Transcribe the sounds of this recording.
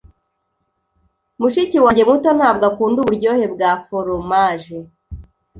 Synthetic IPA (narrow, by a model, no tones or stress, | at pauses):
muʃiciwaːɲɟe̞mŋutonhaːb̚ɡakuːnduβuɾɟo̞ːhe̞bɡafoɾomaʒe